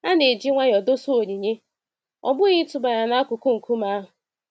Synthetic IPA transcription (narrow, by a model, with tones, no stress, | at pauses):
a˦ne˨d͡ʒi˦ŋʷa˦ɣɔ˨do˦so˦o˨ɲi˨ɲe˦ | ɔ̰˨bʊ˦ɣɪ˦tʊ˨ba˨ɲa˨na˦a˦kʊ˨kʊ˦ŋ̩˨ku˦ma˦ɦʊ˨